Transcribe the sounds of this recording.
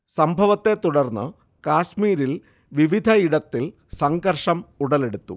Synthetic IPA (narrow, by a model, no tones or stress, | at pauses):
sɐmbʱɐʋɐt̪ːet̪uɽɐrnːɨ | kaːɕmiːɾil | ʋiʋid̪ʱɐiɽɐt̪ːil | sɐŋɡɐrʂɐmuɽɐle̞ɽut̪ːṵ